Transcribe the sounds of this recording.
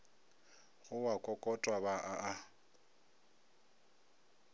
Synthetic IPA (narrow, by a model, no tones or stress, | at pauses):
ɣʊwakʼɔkʼɔtʼwabaʔaʔa